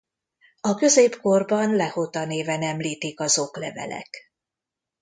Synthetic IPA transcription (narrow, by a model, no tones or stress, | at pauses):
ɒkø̞zeːpko̞rbɒnlɛhot̪ɒneːvɛnɛmliːt̪ikɒzoklɛvɛ̰lɛ̰k